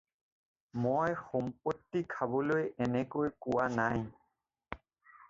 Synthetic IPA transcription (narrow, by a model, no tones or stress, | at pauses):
mojxɔmpotːikʰabɔlojɛnɛkojkʊwanaj